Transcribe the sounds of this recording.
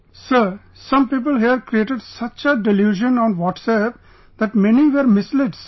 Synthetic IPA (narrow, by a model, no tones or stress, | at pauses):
səɾ | sʌ̃mpiːp̬əlɦiəɾkɾieːʈəɖsʌt͡ʃəɖɪljuːʒə̃nɔ̃ːnʋɔːʈsɛp | d̪æʈmɛniʋəɾmɪslɪɖs